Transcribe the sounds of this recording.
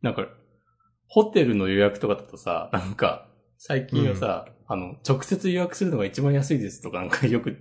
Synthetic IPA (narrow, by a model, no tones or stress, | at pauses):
nãŋka | ho̞t̪e̞ɾɯ̟no̞jo̞jakɯ̟t̪o̞kad̪at̪osa̰nãŋka̰ | saikʲĩɰ̃βasa̰ano̞t͡ɕo̞kɯ̟̥se̞t͡sɨjojakɯ̟sɨɾɯnoɡait͡ɕibãjas̬ɨid̪e̞sɨ̥t̪o̞kanãŋkajo̞kɯ̟